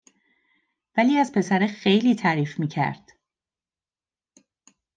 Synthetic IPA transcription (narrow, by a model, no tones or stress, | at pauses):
væliːæzpʰe̞sæɾexe̞jliːt̪ʰæːɾiːfmiːcʰæ̰ɾd̪̥